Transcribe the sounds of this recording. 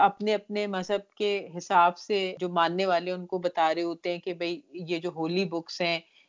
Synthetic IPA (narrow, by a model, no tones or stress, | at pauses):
ɐpneɐp̚nemɐzɦəb̚keɦɪsaːbsed͡ʒoːmãːnːeʋaːleʊnkobɐt̪aːɾeɦoːt̪eɦɛ̃kebʱɐijed͡ʒoːɦoːlibʊksɦɛ̃ː